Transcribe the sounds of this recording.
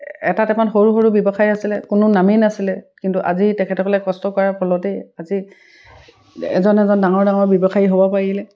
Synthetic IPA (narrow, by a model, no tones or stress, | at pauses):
ɛ̰tatɛpanxoɹuxoɹubjɔbɔxajasilɛkʊnʊnaminasilɛkintuʔa̰zitɛkʰɛtɔkɔlɛkɔstɔkɔɹapʰɔlɔtɛjazi | ɛ̰zɔnɛzɔndaŋɔɹdaŋɔɹbjɔbɔxajiɦobɔpaɹilɛ